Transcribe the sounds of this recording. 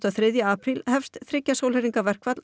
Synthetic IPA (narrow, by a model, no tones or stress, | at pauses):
t̪aθɾɪðjʏaːpʰɾilhɛfst̪θɾɪcːasowlɛɾiŋkavɛr̥kvat̪l